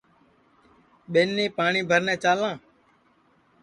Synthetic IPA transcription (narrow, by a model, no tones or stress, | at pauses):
ɓeːnːẽːpaːɳiːbʱəɾnɛ̃ːt͡ʃaːlãː